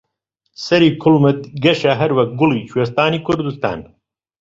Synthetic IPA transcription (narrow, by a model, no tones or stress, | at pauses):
sɐɾiːkʰʊlmɨt̪̚ɡɐʃɐɦɐɾwɐk̚ɡʊliːt͡ʃʰuwest̪aːniːkʰʊɾd̪ust̪a̰ːn